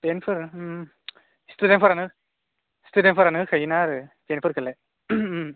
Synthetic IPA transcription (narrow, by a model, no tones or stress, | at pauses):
tenpʰɯɾ | studenpʰɯɾanɯ | studentpʰɯɾanɯkʰɯjinaɾɯtenpʰɯɾkʰɯle